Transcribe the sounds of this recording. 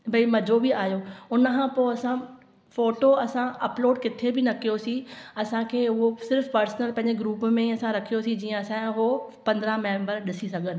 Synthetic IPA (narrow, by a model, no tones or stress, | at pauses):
bʱɐimɐd͡ʑʱobɪaːjoʊnəkʰãːpoːɐsã | foːʈoɐsãʔɐploːɖkɪt̪ʰebɪnɐkijosĩɐsãkʰeːʊɦosɪɾfpɐɾsnəlpɐ̃ɦɪ̃ɲd͡ʑeɡɾuːpmẽiɐsãɾɐkʰijosĩd͡ʑiːə̃ɐsãɦopɐ̃nd̪əɾəmẽːmbəɾɗɪsisɐɡʱənɪ̆